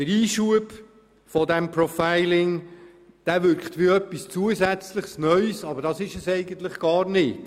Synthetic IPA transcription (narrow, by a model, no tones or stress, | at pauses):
d̥əɾiːʃuəb | fɔdɛmpɾɔfaɪlɪŋ | d̥æʋʏɾkχt̪ʋiœpːist͡suəzæt͡sləχsnœʏsɑbəɾdɑsɪʃəsɛɪɡənt̪ləχɡ̥ɑːɾnɪt